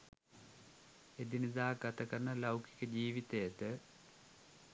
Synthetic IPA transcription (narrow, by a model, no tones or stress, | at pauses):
ed̪inid̪aːɡat̪akanːɐlawki̥kəd͡ʑiːʋit̪ejət̪ə